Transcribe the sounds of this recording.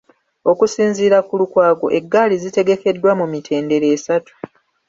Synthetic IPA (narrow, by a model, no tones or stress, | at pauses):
o̞kusiːnziːɾakulukwaːɡo̞̰ʔe̞ɡːaːlizite̞ɡe̞ke̞dːwamumitʰe̞ːnde̞ɾe̞ːsatu̥